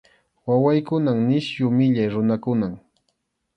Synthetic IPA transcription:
wawajkʊnaŋnɪʃjʊmɪʎajɾʊnakʊnaŋ

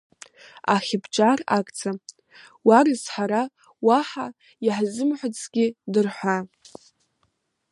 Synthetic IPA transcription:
aχʲɪbʰt͡ʃʼarakʼt͡sʰa | warɨzħaɾa | waħa | jaħzɨmħʷʊt͡sʰʼɡʲidɨrħʷa

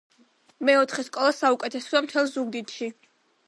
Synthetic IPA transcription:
mɛɔt̪ʰχɛskʼɔlˠasaukʼɛt̪ʰɛsɔamt̪ʰɛlˠzuɡd̪it̪ʃi

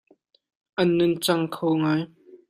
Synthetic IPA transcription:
ʔɐnːʊnt͡sɐŋkʰowŋaːj

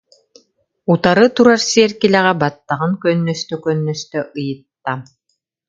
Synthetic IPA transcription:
ut̪aɾɯt̪uɾaɾsiɛɾkilɛʁɛbat̪ːaʁɯŋkœnːœst̪œkœnːœst̪œʔɯjɯt̪ːa

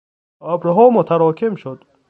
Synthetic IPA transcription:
ɔbɾɦɔmɔt̪ʰaɾɔkʰimʃud̪

